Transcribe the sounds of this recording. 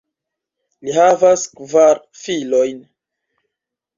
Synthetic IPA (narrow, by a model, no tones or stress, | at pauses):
lihavaskvaɾ | filojn